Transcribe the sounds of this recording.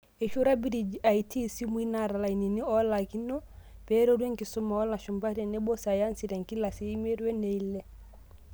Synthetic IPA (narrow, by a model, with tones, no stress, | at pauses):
e˨ʃu˦ɾa˦bi˦ɾi˨d͡ʒa˨i˨tʰi˦si˦mu˦i˦na˨ɾa˨la˨i˨ni˨ni˦ɔ˦la˨ki˦nɔ˦pɛ˦ɾo˦ɾwe˦ŋki˨sɔ˦maɔ˦la˨ʃu˨mba˦ɾɛ˨nɛ˦bɔ˦sa˨ja˦nsi˨ɾɛ˨ŋki˦la˨si˦i˦me˦ɾwɛ˦ne˨i˦lɛ˦